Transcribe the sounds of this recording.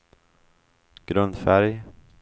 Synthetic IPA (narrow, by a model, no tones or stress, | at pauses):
ɡ̥ɾɵnd̪fæɾj